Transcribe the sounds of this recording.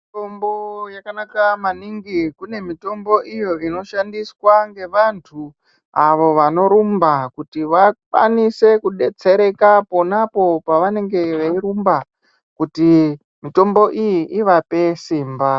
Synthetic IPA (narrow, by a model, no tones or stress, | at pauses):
tombojakanakamaniŋɡikune̞mito̞mbo̞ʔijo̞ʔino̞ʃandiswaŋɡe̞ʋantʰu | aʋo̞ʋano̞ɾumbakutiʋakwa̰nise̞kuɗe̞t͡se̞ɾe̞kapo̞napo̞paʋane̞ŋɡe̞ʋeiɾumba | kuti | mito̞mbo̞ʔijiʔiʋape̞siːmba